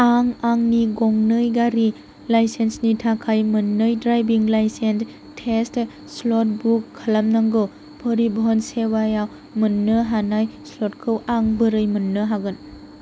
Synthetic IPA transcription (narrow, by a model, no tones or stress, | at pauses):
aŋaŋniɡɔŋnɯjɡaɾi | lajsensnitʰakʰajmɯnːɯjdɾajbiŋlajsens | tʰest | slɔt̚bukʰːalamnaŋɡɯw | pʰəɾibɦɔnsewajaw | mɯnːɯɦanajslɔt̚kʰɯwʔaŋbɯɾɯjmɯnːɯɦaɡɯn